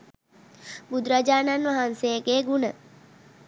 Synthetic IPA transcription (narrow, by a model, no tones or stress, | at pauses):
bud̪ɾad͡ʒaːnanʋaɦansejəɡeːɡunə